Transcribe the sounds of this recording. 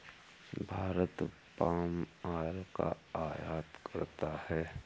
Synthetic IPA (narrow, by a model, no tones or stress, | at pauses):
bʱaːɾət̪ | paːmaːlka̰aːjaːt̪kəɾt̪ahɛː